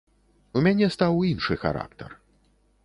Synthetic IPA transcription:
umʲanʲɛst̪awinʂɨxa̰ɾa̰k̚t̪ɐ̰r

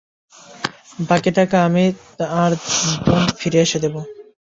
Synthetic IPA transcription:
bakeʈakaamit̪aɾbonfiɾeaʃed̪ebo

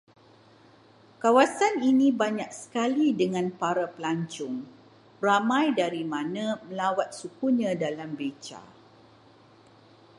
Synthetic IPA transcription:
kawasaninĩbaɲak̚sə̥kalidəŋãnpaɾapəlaɲt͡ʃʊŋ | ramãjdaɾimãnãməlawat̪̚sukuɲãdalambet͡ʃa̰

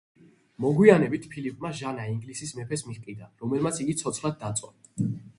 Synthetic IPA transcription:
mɔɡwianɛbit̪ʰpʰilipʼmaʒanaiŋɡlisismɛpʰɛsmiχkʼid̪anɾɔmɛlmat̪sʰiɡit̪sʰɔt̪sχlad̪̚ːat̪sʼwa

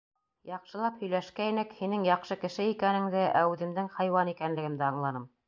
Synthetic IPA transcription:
jɑqʃɤ̆lˠɑphɵ̆jlæʃkæinɘkhinɘŋjɑqʃɤkɘ̆ʃɘikænɘ̆ŋd̪ɘʔæʉðɘ̆md̪ɘŋhɑjwɑnikænlɘ̆ɡɘ̆md̪æɑɴlˠɑnɤm

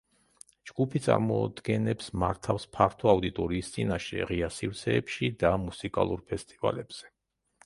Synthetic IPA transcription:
d͡ʒɡ̥upʰit̪sʼa̰ɾmɔ̰d̪̥ɡɛnɛpsmaɾt̪ʰafspʰaɾt̪ʰɔaud̪it̪ʼɔɾiːst̪sʼinaʃɛ̰ʁiasiɾt̪sʰɛːpʃid̪amusikʼa̰lˠuɾpʰɛst̪ʼiva̰lɛb̥z̥ɛ̥

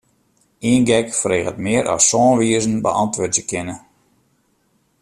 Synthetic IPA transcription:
iːnɡɛkfreːɣətmɪəɾʔɔ̰ssɔːnʋiəzən̩bə̰ʔɑntʋøtjəkʰɪnə

